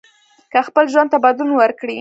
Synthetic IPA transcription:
kəxpəlʒwand̪t̪abad̪unwəɾkɽi

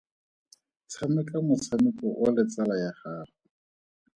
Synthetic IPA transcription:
t͡sʰamɛkamʊt͡sʰamɪkɔʔʊlɪt͡salajaχaːrɔ

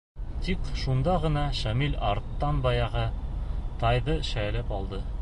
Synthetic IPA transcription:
t̪ikʃund̪ɑʁɤ̆nɑʃæmilʲɑɾt̪ːɑnbɑjɑʁɤt̪ɑjðɤʃælɘpɒlˠd̪ɤ

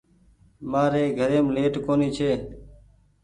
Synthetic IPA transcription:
maːɾeːɡʱəɾeːmleːʈkoːniːt͡ʃʰeː

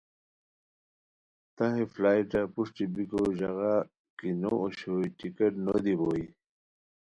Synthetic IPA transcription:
t̪aɦeflaːjʈapuʂʈibikoʑaɣa | kinooɕojʈikeʈnod̪iboːi

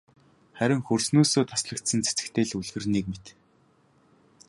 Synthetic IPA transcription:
χæɾʲɪ̆ŋxɵrsnuːsoːt̪ʰḁsɮə̆kt̪sə̆nt͡sʰet͡sɘ̥̆kt̪ʰeːɮuɮɣɘ̆rniːk̚met̪

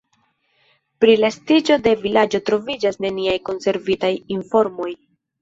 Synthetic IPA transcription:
pɾilastid͡ʒo̞de̞vilad͡ʒo̞tɾo̞vid͡ʒasne̞niajko̞nse̞ɾvitajinfo̞ɾmo̞j

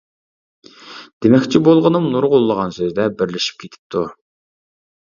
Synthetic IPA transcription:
d̪̥emɛkʲt͡ʃʰibolˠʁənɨmnuɾʁʊulˠːəʁɑnsøzd̪ɛbɪɾlɪʃi̥p̚kʲʰet̪ʰɪ̥p̚t̪ʰu

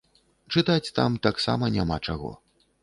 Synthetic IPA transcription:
t͡ʂɨt̪at͡sʲt̪a̰mt̪aksa̰mɐnʲamat͡ʂaɣɔ̰

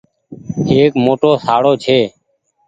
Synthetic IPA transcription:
eːkmoʈoːsaːɽoːt͡ʃʰeː

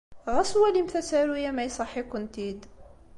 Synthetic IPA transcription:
ʁæswælimθæsæɾujæmæjsˤɑħːikʊnt̪id̪

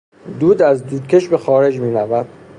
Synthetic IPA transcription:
d̪uːd̪æzd̪uːd̪̥̚cʰʲe̞ʃbe̞xɒːɾe̞d͡ʒmiːɾævæd̪̥

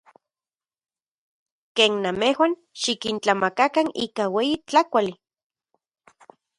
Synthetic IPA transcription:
keːnːamehwan | ʃikint͡ɬamakakanḭːkaweːjit͡ɬakʷali

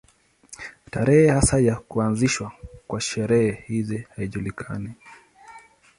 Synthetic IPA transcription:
taɾɛhɛhasajakuanziʃwakwaʃɛɾɛhɛhizihaiʄulikʰa̰ni

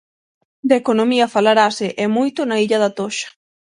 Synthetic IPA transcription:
d̪ekonomiɐfalaɾasɪʔɛmojt̪ʊnaiʎaðat̪oʃɐ̥

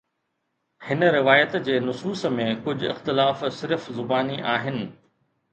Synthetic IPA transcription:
hɪnə̆ɾɪʋaːjət̪d͡ʑeːnʊsuːsmẽkʊd͡ʑʱʊɪ̰xt̪ɪlaːfsɪɾfzʊbaːniʔaːɦɪnɪ̆

